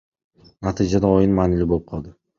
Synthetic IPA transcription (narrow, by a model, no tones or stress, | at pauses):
nat̪ʰid͡ʒad̪aɒjɪnmanɪlɪbolɪp̚qʰɒlˠd̪ɪ